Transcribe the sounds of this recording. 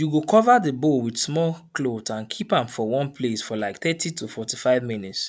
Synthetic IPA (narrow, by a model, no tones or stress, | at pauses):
juɡokʰɔvaðəbowidsmɔlklotãnkʰipãmfɔwɔ̃npʰlesfɔlaɪkθɛtʰitʰufɔtifaɪvminits